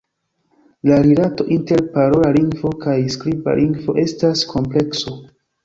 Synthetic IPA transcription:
laɾilato̞ʔinte̞ɾpaɾo̞laliŋɡvo̞kajskɾiba̰lʔiŋɡvo̞ʔe̞staskʰo̞mple̞kso̞

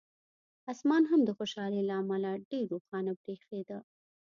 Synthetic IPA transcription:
asmɑnɦamd̪əxoʃɑlelaːmalaɖeɾːoxɑnapɾexed̪a

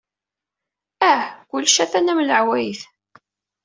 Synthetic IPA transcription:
æhkʷʊlːʃæθænæmləʕwæjθ

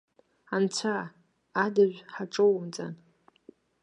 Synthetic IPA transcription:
ant͡sʷʰaː | daʒᶣʷħaʈ͡ʂʼowmd͡zʼa̰n

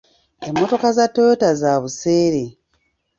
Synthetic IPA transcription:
e̞mːo̞to̞kazatːojotazaβuse̞ːɾe

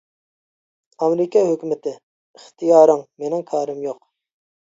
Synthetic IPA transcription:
ɑmɾɪkʲʰɑɦøkʲymɪt̪ʰɪ | iχt̪ʰijɑːɾɨŋmenɪŋkʰɑɾɪmjoq

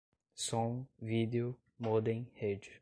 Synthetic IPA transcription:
sɔ̃ŋvid̪eʊ | mod̪ẽj̃hed͡ʒ

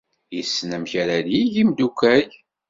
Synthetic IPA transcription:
jəsːnəmçaɾaliʝimd̪ukʷːæj

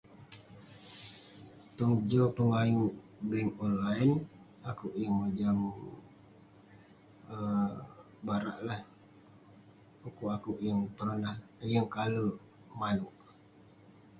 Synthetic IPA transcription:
t̪uŋd͡ʒopəŋajuʔbɛŋonlaən | akuʔjəŋməd͡ʒam | ə | baɾa̰ʔlah | ukuakuʔjəŋpəɾənahjəŋkalə | manuʔ

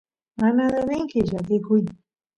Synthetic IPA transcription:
anad̪aɾeŋkɪʒak̬ɪkʊj

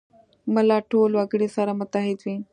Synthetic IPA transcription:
məlaːʈʰoːlaɡɽesaːɾamət̪aɦit̪ʰʋĩː

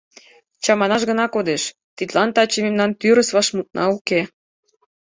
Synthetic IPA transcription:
t͡ɕɑmɑnɑʃɣə̆nɑkod̪eʃ | t̪it̪lɑnt̪ɑt͡ɕememnɑnt̪yɾəsβɑʃmut̪̚nɑuke

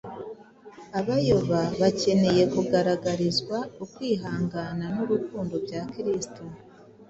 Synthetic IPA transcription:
aβajoβaβace̞ne̞je̞kuɡaɾaɡaɾizɡwaukwiːɦaːŋɡananuɾukuːndo̞bɟakiɾisto

